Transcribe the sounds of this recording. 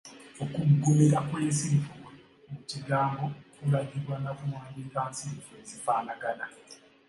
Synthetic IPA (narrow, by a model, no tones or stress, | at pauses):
okumuɡomeɾakweːnsifuwe | muciɡaːmbokuɾaɡiɾwanakumwaːɲɟentaːnsiɱfuezifaːnaɡala